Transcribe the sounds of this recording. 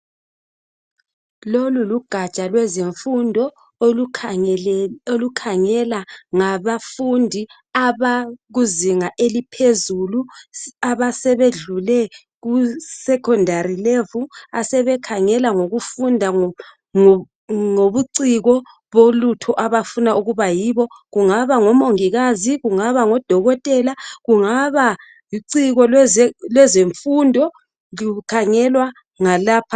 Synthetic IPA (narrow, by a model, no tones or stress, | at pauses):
loluluɡ̥ʱat͡ʃʼalwɛziɱfundʱɔ | olukʰaŋɛlaŋaβafundʱi | aβaɣuziŋaʔelipʰezuluaβasɛβeɮulɛ | ɣusɛkʰɔndʱarilevuasɛβɛkʰaŋɛlaŋoɣufundʱa | ŋoβuǀiɣɔ | βolutʰɔʔaβafunaʔuɣuβajiːβɔ | ɣuŋaβaŋɔmoŋiɣaziɣuŋaβaŋɔd̥ʱɔɣɔtʼɛlaɣuŋaβa | iǀiɣɔlɛlwɛzeɱfundʱɔ | likʰaŋɛlwa | ŋalaːpʰa